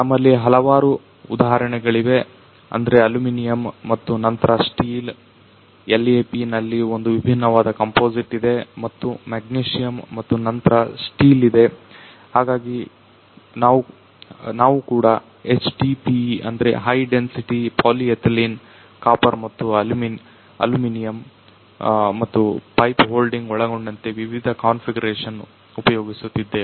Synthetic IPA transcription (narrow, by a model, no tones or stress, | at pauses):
nɐmːɐlːiɦɐlɐʋaːɾu | ud̪aːɦɐɾɐɳɛɡɐɭiʋe̞ | ɐ̰nd̪ɐɾe̞ɐluminijɐmːɐt̪ːunɐnt̪ɐɾɐsʈiːl | elːeːpinɐlːio̞nd̪uʋibʱinːɐʋaːd̪ɐkɐmpo̞ːd͡ʒiʈːid̪e̞mɐt̪ːumeɡ̚niːʂijɐmːɐt̪ːunɐnt̪ɐɾɐsʈiːlid̪e̞ | haːɡaːɡi | naːʋu | naːʋukuːɽɐ | e̞t͡ʃʈipiɐ̰nd̪ɐɾe̞̰ɦɐjɖe̞nsiʈipʰaːliet̪ʰlin | kaːpɐɾmɐt̪ːuɐlumin | ɐ̰luminijɐm | ɐt̪ːupɐjpɦo̞ːlɖiŋɡɔɭɐɡoɳɖɐnt̪eʋiʋid̪ʱɐkaːnfʰiɡɐɾeːʂɐn | upɐjo̞ːɡisut̪ːid̪ːe